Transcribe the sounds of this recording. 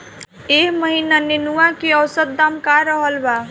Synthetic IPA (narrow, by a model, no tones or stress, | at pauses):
ekməɦinanenuakeʌwsəd̪̚d̪amkaɾəɦəlba